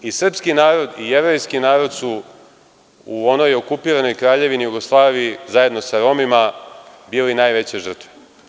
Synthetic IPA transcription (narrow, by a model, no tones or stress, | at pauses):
isr̩pskinaːɾo̞d̪ieʋɾojskinaːɾo̞d̪su | uo̞no̞jo̞kupiːɾano̞jkɾaːʎe̞ʋinijuɡo̞slˠaːʋijizaje̞d̪no̞saɾo̞ːmima | biːlinaːjʋe̞t͡ɕe̞ʒər̩t̪ʋe